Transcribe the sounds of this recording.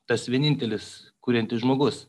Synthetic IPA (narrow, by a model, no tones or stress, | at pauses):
t̪ɐsʋʲiɛnʲɪnʲt̪ʲɛlʲɪskuːɾʲɛnʲt̪ʲɪʒmoːɡʊs